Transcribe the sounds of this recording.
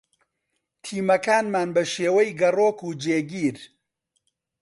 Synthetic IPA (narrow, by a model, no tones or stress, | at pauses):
t̪ʰiːmɐkaːnmaːnbɐʃeːwɐjɡɐroːkuːd͡ʒeːɡiːɾ